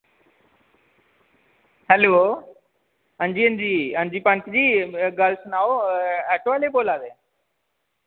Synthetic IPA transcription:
hɛloː | ə̃ɲd͡ʑiːənd͡ʑiːənd͡ʑiːpãnkd͡ʑiːɡaːlsnaːoɛːʈʋaːleboːlaːd̪eː

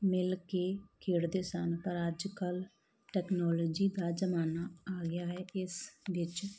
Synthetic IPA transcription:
mɪlkeːkʰeːɽd̪eːsənpəɾəd͡ʒkəl | ʈɛːknɔːloːd͡ʒiːd̪aːzəmaːnaːaːɡɪjaːɦɛːɪsʋɪt͡ʃ

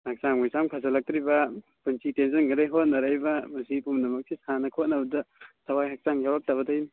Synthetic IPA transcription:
ak̚saŋmujsamkʰazɐlak̚tɾibɐpunsitensɐnɡaɾajɦot̚nɐɾajbɐmɐsipumdɐmɐk̚sisanɐkʰot̚nɐbɐdɐsawajhak̚t͡ʃaŋjawɾak̚taβɐdajn

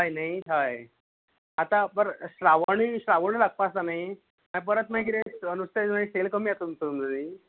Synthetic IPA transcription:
ɦajnajɦaj | at̪apəɾɕɾaʋaɳiɕɾaʋoɽ̃ilaɡ̚paːst̪anai | ãjp̬əɾət̪maĩkit̪eənust̪ʰemaiselkəmijat̪umt̪uməni

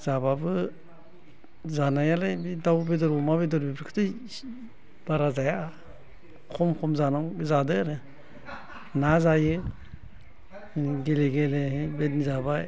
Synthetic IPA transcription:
zababɯ | zanajalabidawbedɔɾbɔmaβedɔɾbibɾɯkʰɯ̥tʰɯj | b̥aɾazaja | kʰɔmkʰɔmzanabizadɯɾɯ | nazajɯ | ɡeleɡelebetnizabaj

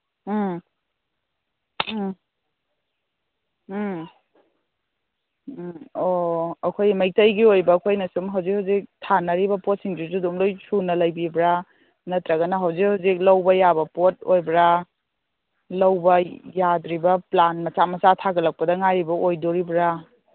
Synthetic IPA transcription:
oɐkʰojmɐj̚tɐjɡiojbɐːkʰojnɐsumɦɐwzikhawzik̚tʰanɐɾibɐpot̚siŋzuzudumlojsunɐlɐjbibɾa | nɐtɾɐɡɐnɐɦɐwzik̚hawzik̚lɐwbɐjabɐpot̚ojbɾa | lɐwbɐjadɾibɐplanmɐt͡ʃamɐsatʰaɡɐlɐk̚pɐdɐŋaɾibɐojdoɾibɾa

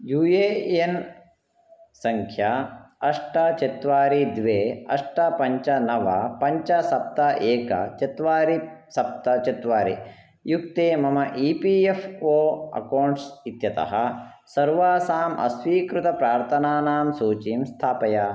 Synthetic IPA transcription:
juːjeːen | sɐŋkʰjaɐʂʈɐt͡ʃit̪ʋaːɾid̪ʋeːɐ̰ʂʈɐpɐɲt͡ʃɐnɐʋɐpɐɲt͡ʃɐsɐp̚t̪ɐʔeːkɐ̰t͡ʃɐt̪ʋaːɾisɐp̚t̪ɐt͡ʃit̪ʋaːɾḭ | jukt̪eːmɐmɐʔiːpiːefʰoːɐ̰kɐwɳʈsit̪jɐt̪ɐ̰ɦɐ | sɐɾʋaːsaːmʔɐ̰sʋiːkɾut̪ɐpɾaːɾt̪ʰɐnaːnaːmsuːt͡ʃiːmst̪ʰaːpɐjaː

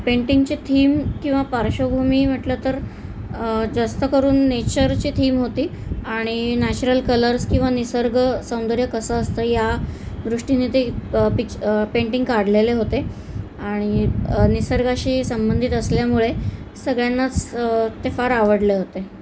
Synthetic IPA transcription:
peɳʈiŋɡt͡ɕit̪ʰiːmkĩw̃ʋapaɾɕobʱumiːm̤əʈlət̪əɾ | d͡zast̪əkəɾuːnːet͡ɕəɾt͡ɕiːt̪ʰiːmɦot̪iːaɽ̃inæt͡ɕuɾəlkələɾskĩw̃ʋanisəɾɡəsəw̃nd̪əɾjəkəsəːst̪əːjad̪ɾuʂʈiniːt̪epipeɳʈĩŋɡkaɽ̤leleɦot̪e | aɽ̃inisəɾɡaɕiːsəmbənd̪ʱit̪əsljamuɭesəɡɭjanːat͡st̪efaɾaʋəɽleɦot̪e

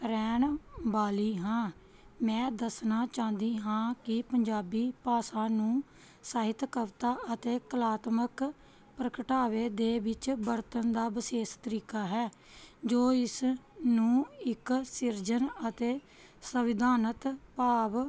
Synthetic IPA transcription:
ɾɛːɳbaːliːɦãː | mɛ̃ːd̪əsnaːt͡ʃãːnd̪iːɦãːkɪpəɲd͡ʒaːbiːpaːsaːnũː | saːɦɪt̪kəʋt̪aːʔət̪eːkəlaːt̪mək | pɾəkəʈaːʋeːd̪eːʋɪt͡ʃbəɾt̪ənd̪aːbəseːst̪əɾiːkaːɦɛː | d͡ʒoːɪsnũːɪksɪɾd͡ʒənət̪eː | səʋɪd̪aːnət̪paːʋ

